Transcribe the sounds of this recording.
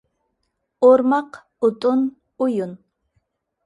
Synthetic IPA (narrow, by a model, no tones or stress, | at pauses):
oɾmɑq | ʊt̪ʼʊn | ʊjʊn